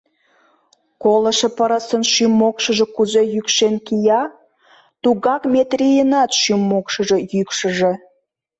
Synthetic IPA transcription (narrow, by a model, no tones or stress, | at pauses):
koləʃĕpəɾəsənʃymːokʃəʒekuzejykʃenkijɑ | t̪uɣɑkmʲet̪rijənɑt̪ʃymːokʃəʒejykʃə̆ʒe